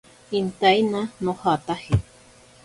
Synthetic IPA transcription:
int̪ajnãnõhat̪ahi

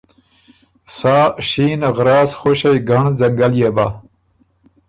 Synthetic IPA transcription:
sɑːɕiːnɣɾɑːsxoɕejɡaɳzaŋɡaljeba

